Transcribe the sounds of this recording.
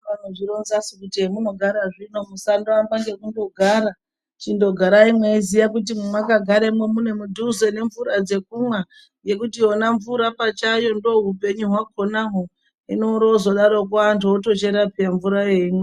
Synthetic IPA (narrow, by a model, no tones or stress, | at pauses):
anoʐiɾonzasikutiemuno̞ɡʱaɾaʐino̞musandambaŋɡe̞kundo̞ɡʱaɾa | t͡ʃindo̞ɡʱaɾaimweizijakut̬immwakaɡʱaɾemwemune̞mudʱuze̞ne̞ɱvuɾad͡ze̞k̚umwa | je̞kutio̞naɱvuɾapat͡ʃajo̞ndo̞ɦupe̞ɲuɦwakʰonaɦo | ḭnoɾozo̞ɗaɾok̬uantʰuoto̞t͡ʃeɾapiaɱvuɾaje̞imwe